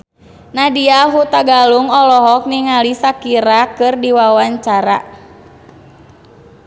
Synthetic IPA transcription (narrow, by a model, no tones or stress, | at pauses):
nadiaɦut̪aɡaluŋɔlɔɦɔk̚niŋalisakiɾakɨrdiwawaɲt͡ʃaɾa̰